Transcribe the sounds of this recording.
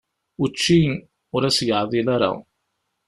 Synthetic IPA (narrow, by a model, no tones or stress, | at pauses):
ut͡ʃːiŋ | ʊɾɐsjaːðilɐɾa̰